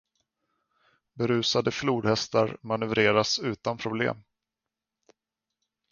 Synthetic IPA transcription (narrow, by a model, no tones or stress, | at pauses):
bɛɾʉ̟ːsad̪əfluːd̪hɛst̪aɾmanɵvɾeːɾasʉ̟ːt̪anpʰɾʊblḛːm